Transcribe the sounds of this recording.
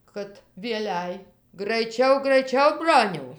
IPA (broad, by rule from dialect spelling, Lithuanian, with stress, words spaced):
kɐt ʋʲiɛˈlʲæɪ ɡrɐɪˈt͡ʃʲɛʊ ɡrɐɪˈt͡ʃʲɛʊ ˈbroːnʲɛʊ